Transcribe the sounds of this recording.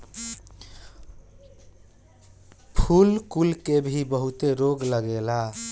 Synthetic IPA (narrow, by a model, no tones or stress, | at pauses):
pʰulkulkebʱibəɦut̪eɾoɡləɡela